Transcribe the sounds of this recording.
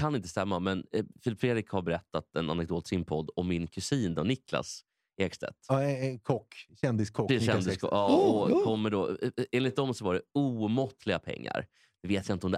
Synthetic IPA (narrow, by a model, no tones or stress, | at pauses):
kʰanɪnt̪əst̪ɛmːamɛnfɪlɪpfɾeːd̪ɾɪkhaɾbɛɾɛt̪ːat̪ɛna̰nɛk̚d̪oːt̪sɪnpʰɔd̪ːɔmːɪnkʰɵsiːnd̪ɔnɪkʰla̰s | ɛɡst̪ɛ̰t̪kʰɔkː | ɛnd̪ɪskʰɔɛnd̪ɪskɔ̰ɑːɔkʰɔmːəɖɔeːnlɪt̪̚d̪ɔmsɔvaɖɛuːmɔt̪ʰːlɪɡapʰɛ̰ŋːa̰ɾ | d̪̥ɛveːt̪jaɪnt̪ɔmd̪ɛ